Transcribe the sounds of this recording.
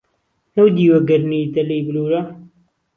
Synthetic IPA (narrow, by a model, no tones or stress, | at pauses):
nɐwd̪iːwɐɡɐɾnid̪ɐlejbluːɾɐ